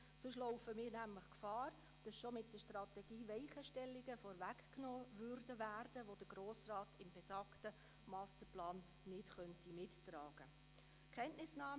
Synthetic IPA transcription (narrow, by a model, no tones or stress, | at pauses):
sʊʃ̬loʊfəmiːɾnæmləχkfɑːɾ | d̥ɑsʃomɪt̚d̥əʃtrɑtɛɡiːvɛɪχəʃtɛlːɪɡəfɔɾvækknoːʋʏɾdəvæːrd̥əʋod̥əɡroːsrɑːtɪmbɛsɑːktə | mɑːstəplɑːnː | ɪtχœntimɪttrɑːɡ̥ə | kχɛntnɪsnɑː